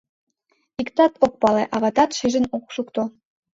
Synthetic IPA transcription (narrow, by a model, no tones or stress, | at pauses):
ikt̪ɑt̪ok̚pɑleʔɑβɑt̪ɑt̪ʃiʒə̆nokʃukt̪o